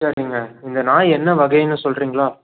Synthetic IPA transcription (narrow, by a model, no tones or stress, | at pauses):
sɐɾiŋɡɐɪnd̪ɐnãːɛnːɐʋɐɣɐjnːɯsɔlriːŋɡɐɭaː